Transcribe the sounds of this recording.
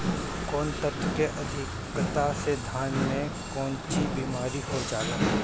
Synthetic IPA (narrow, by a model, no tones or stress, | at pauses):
kɔːnt̪ət̪keʔɐd̪ʱɪk | t̪ased̪ʱaːnmẽ | kɔːnt͡ʃibiːmaːɾihod͡ʒaːlə